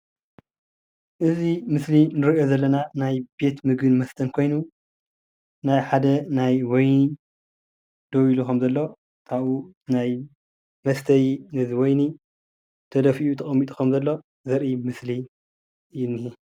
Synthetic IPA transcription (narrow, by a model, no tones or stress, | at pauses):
ʔɨzimɨslinɨɾiʔo̞zɐlːɐnanajbe̞t̪mɨɡɨnmɐst̪ʰɐnkʰo̞jnu | najħad̪ɐnajwojni | d̪̥owilukʰɐmzɐlːo̞ | kʰaβu | naj | mɐst̪ʰɐjinɨziwojni | t̪ʰɐd̪ɐfiʔut̪ʰɐχʼɐmːit̪ʼu̥kʰɐmzɐlːo̞ | zɐɾʔimɨsli | jɪnːihi